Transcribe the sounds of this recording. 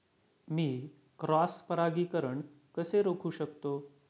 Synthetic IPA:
miː | kɾɔspəɾaɡiːkəɾəɳ | kəseɾokʰuːɕəkt̪o

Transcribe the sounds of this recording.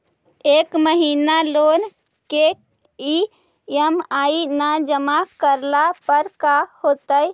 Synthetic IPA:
ekməɦinalon | ke | i | emainad͡ʒəmakəɾlapəɾkahot̪əj

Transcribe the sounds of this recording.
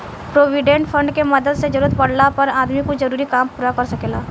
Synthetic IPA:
pɾoːʋiɖẽɳʈfʰɐ̃ɳɖkemɐd̪əd̪sed͡ʒəɾuːɾət̪̚pɐɽlapɐɾaːd̪mikod͡ʒɐɾuːɾikaːmpuːɾakɐɾsɐkeːlaː

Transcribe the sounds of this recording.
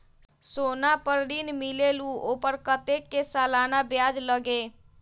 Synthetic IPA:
sonapəɾɖinmileluopəɾkət̪ekːesalanabjad͡ʒləɡe

